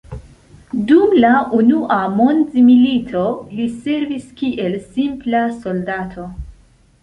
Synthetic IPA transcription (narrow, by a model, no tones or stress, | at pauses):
dumlaʔunuʔamo̞nzmilitʰo̞lise̞ɾviskiʔe̞lsimplaso̞ldatʰo̞